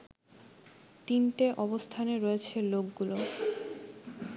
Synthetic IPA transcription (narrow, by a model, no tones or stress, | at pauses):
t̪inʈeʔɔbost̪ʰaneɾɔet͡ɕʰelokɡulo